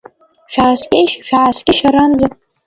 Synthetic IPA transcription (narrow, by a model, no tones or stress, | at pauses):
ʃᶣaʕːskʲejʃʃᶣaʕasɡʲɪʃaɾanza